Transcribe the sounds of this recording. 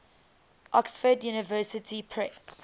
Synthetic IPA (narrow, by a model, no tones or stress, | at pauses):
ʔɔksfədjuːnɪvɜːsɪtʰipʰɹɛs